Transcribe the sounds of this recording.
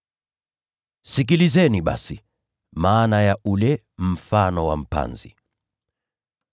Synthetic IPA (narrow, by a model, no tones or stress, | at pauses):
sik̬ilizɛniɓa̰si | maːnajaulɛ | m̩fanɔwam̩pa̰nzḭ